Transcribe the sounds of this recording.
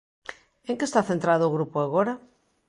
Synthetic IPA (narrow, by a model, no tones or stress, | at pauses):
eŋkest̪aθent̪ɾaðʊːɣɾupoaɣoɾa